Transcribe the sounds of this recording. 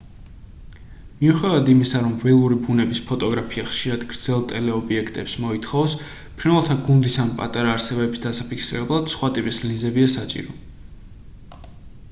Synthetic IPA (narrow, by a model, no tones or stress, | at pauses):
miuχɛd̪avad̪imisaɾɔmvɛlˠuɾibunɛbispʰɔt̪ʼɔɡɾapʰiaχʃiɾad̪ɡɾd̪z̥ɛlˠt̪ʼɛlɛɔbiɛkʰt̪ʼɛpsmɔit̪ʰχɔvs | pʰɾinvalˠt̪ʰaɡund̪isanpʼa̰t̪ʼaɾaːɾsɛbɛbisd̪asapikʰsiɾɛblˠad̪̥sχwat̪ʼipʼislĩnzɛbiasat͡ʃʼḭɾɔ